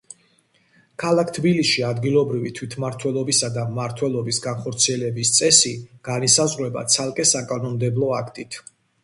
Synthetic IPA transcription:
kʰalˠak̚ʰt̪ʰbilisʃiad̪ɡilˠɔbɾivit̪ʰwit̪ʰmaɾt̪ʰwɛlˠɔbisad̪aːaɾt̪ʰwɛlˠɔbisɡanχɔɾt̪sʰiɛlɛbist̪sʼɛsiɡ̥anisazʁwɛba̰t̪sʰalˠkʼɛsakʼanɔmd̪ɛblˠɔakʰt̪ʼit̪ʰ

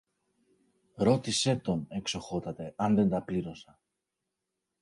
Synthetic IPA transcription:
ɾo̞t̪ise̞t̪o̞ne̞kso̞xo̞t̪ɐt̪e̞ɐnðe̞nd̪ɐpliɾo̞sɐ

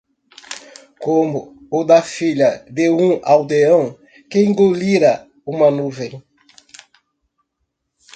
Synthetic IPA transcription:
komʊː | d̪ɐfiʎɐd̪eũawd̪eɐ̃w̃ | kẽŋɡoliɾɐ | ũmɐnuvẽj̃

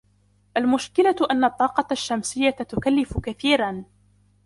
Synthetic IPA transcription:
ʔalmʊʃkɪlaʔanːaʔt̪ˤːɑːqɑʃːamsɪjːat̪ʊkalːɪfʊkaθiːɾan

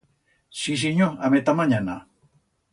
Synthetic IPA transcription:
sis̬iɲoamet̪amaɲana

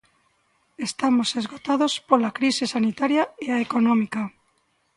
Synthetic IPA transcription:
est̪amosezɣot̪aðospolakɾisesanit̪aɾjaeaekonɔmika

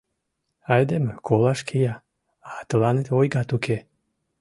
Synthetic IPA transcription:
ajd̪emkʰolˠaʃkʰejaː | t̪əlanet̪ojɡat̪ukʰe

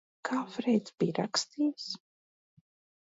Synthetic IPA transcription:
kʰaːfɾɛjt̪sb̥iːɾakst̪iːws

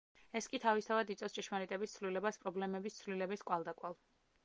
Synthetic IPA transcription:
ɛskʼit̪ʰavist̪ʰavad̪it̪sʼɛfst͡ʃʼɛʃmaɾit̪ʼɛbist̪sʰvlilɛbaspʼɾɔblɛmɛbist̪sʰvlilɛbiskʼwalˠd̪akʼwalˠ

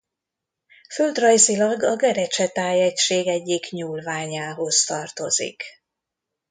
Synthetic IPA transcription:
føld̪rɒjzilɒɡɒɡɛɾɛt͡ʃɛt̪aːjɛcʃeːɡɛɟːikɲuːlvaːɲaːɦo̞st̪ɒrt̪o̞zḭk

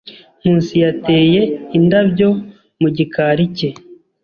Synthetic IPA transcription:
m̥uːnsijate̞ːje̞indabɟo̞ | muɟikʰaːɾice̞

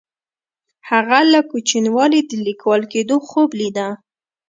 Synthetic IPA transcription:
haɣalakut͡ʃinwɑlid̪əlikwɑlked̪oxoblid̪a

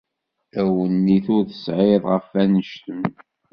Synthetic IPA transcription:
æwənːiθʊɾθə̥sʕeðˤʁəfænəʃt̪əm

